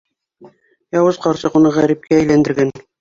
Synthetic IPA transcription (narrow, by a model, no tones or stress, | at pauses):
jɑwɤzqɑɾsɤqunɑʁæɾip̚kæːjlænd̪ɘ̆ɾɡæn